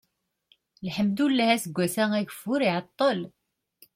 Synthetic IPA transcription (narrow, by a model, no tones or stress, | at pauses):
lħəmd̪ulːæhæsəɡʷːæsææʝəfʊɾiʕɑt̪ˤːəl